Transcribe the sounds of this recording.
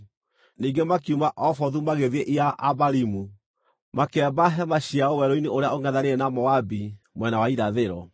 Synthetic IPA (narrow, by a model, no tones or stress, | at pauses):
niːŋɡemakiumaʔɔfɔðumaɣeðiɛʔiaʔabaɾimu | makɛbaɦɛmaɕiaɔwɛɾɔineoɾeaoŋɛðaɾeɛnamɔabi | mwɛnawaiɾaðeɾɔ